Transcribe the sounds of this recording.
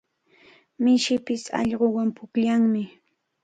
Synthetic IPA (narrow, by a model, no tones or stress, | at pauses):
mɪʃɪpɪsɑ̰ʎɢowampʊkʎaŋmɪ